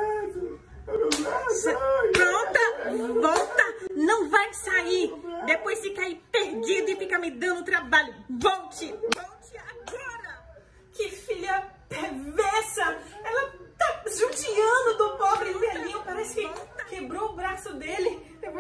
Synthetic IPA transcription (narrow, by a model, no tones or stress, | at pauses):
pɾõt̪ɐvɔwt̪ɐnɐ̃w̃vajsaid̪epojsɪkaipeɾd͡ʒid̪ʊɪfikamɪd̪ɐ̃ñd̪ʊt̪ɾabaʎʊvɔwt͡ʃɪvɔwt͡ʃɪaɡɔɾɐ | kɪfiʎɐpeɾvɛɾsɐɛlɐt̪aʒut͡ʃiɐ̃d̪ʊd̪ʊpobɾɪũɛlĩʊ̃paɾɛsɪ̥kɪt̪akebɾoʊbɾasʊd̪elɪ